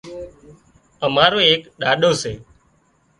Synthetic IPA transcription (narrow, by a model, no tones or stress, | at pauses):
əmaːɾoːeːkɗaːɗoːseː